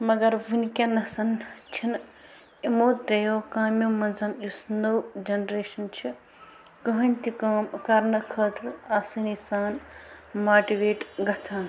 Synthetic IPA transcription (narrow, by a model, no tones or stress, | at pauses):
mɐɡɐɾʋunkʲɐnɐsɐnt͡ʃʰin | imoːt̪ɾɐjokaːmjomɐnsɐnjusnowd͡ʒɐnɾeːʃɐnt͡ʃʰi | kɐɦɐnʲt̪ikaːmkɐɾnɐkʰɐːt̪ɾaːsɐnisaːnmaːʈiʋeːʈɡɐt͡sʰaːn